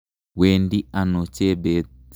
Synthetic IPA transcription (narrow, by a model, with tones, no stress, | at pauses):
we˨ndi˦a˨no˨t͡ʃe˦be˨